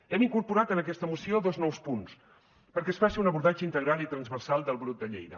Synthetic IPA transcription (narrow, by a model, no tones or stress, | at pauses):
ɛmiŋkuɾpuɾat̪ənəkɛst̪əmusioðɔznɔwspuns | pəɾkɛəsfasiunəβuɾðad͡ʒəint̪əɣ̞ɾalˠit̪ɾənzβərsalˠd̪əlˠβɾut̪̚d̪əʎḛjðə̰